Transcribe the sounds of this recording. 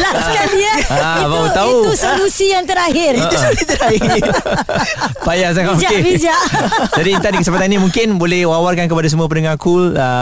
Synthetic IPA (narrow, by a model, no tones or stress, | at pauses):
laskandiəaibaut̪auusolusijaŋt̪əɾaɦɪrəsoit̪əɾaɪ | pajas̬aŋad͡ʒakebid͡ʒaʔd͡ʒadit̪adikəsəmpat̪anĩmũŋkɪnbolɛhwawarkankəpadasəmũap̬ənəŋakulə